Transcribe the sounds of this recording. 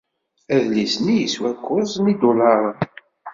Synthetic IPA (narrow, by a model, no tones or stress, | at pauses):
æðlisnijəswækʷːʊzˤnid̪ʊlɑɾˤə